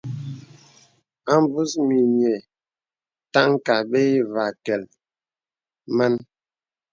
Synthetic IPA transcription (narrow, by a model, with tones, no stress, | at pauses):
a˦m˦bu˦smi˨ɲ˨ɛ˨ | ta˦ŋ˦ka˨be˦i˦va˨kɛ˨l | ma˦n